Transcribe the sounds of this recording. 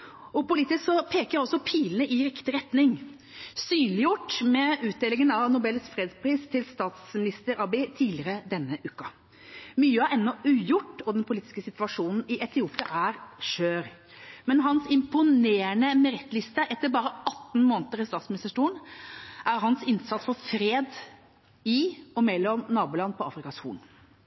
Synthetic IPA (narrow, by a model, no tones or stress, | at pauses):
ɔpʊliːt̪ɪsksɔpʰeːkəɾɔsɔpʰiːlnəʔɪɾɪkt̪ɪɾɛt̪nɪŋ | syːnlɪjʊʈːmɛʉːt̪̚d̪eːlɪŋənɑʋnʊbɛlsfɾeːd̪spʰɾiːst̪ʰɪlst̪ɑːt̪smɪnɪst̪əɾɑbɪt̪ʰiːlɪəɾəd̪ɛnːəʔʉːkɑ | myːəɑɛnːɔʉːjʊʈːɔd̪ɛnpʰʊliːt̪ɪ̥skəsɪt̪ʋɑʂuːnn̩ɪʔɛt̪ʰɪuːpɪɑʔæɾʂøːɾ | mɛnɦɑnsɪmpʊneːɾəɳəmɛɾɛt̪ːlɪst̪əʔɛt̪ːəɾbɑːɾəɑt̪ːn̩moːnət̪əɾɪst̪ɑːt̪smɪnɪst̪əʂʈuːɳʔæɾɦɑnsɪnsɑt̪sfɔɾfɾeːd̪ | ɪɔmɛlːɔmnɑːbʊːlɑnːpʰɔɑ̰ːfɾɪkɑshṵːn